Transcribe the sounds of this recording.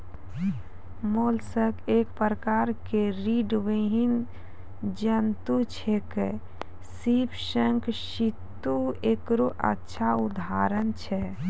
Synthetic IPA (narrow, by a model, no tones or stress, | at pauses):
molsəkekpɾəkaɾkeɾiɖʋiɦin | d͡ʒənt̪ut͡ʃʰɛke | sipʰsəŋkʃit̪ːuekɾoʔə̰tːʃʰaud̪ʱaɾənt͡ʃʰɛ